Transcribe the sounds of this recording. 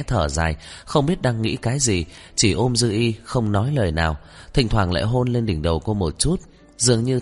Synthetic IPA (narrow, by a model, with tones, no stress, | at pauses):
t̪ʰəː˧˩za̰ː˨˩jxə˧wŋ͡mɓi˦˥ət̚ɗaː˧ŋːḭ˧˥kaː˨˦jzi˨˩ | t͡ɕi˧˩ʔo˧mzɨ˧ʔi˧xə˧wŋ͡mnɔ˨˦jləː˨˩jnaː˨˩w | t̪ʰï˨˩ŋ̟t̪ʰwaː˧˩ŋla̰ː˧˨jɦo˧nle˧nɗï˨˩ŋ̟ɗə˨˩wko˧mo˨˩t̚t͡ɕu˦˥t̚ | zɨ˨˩əŋɲɨ˧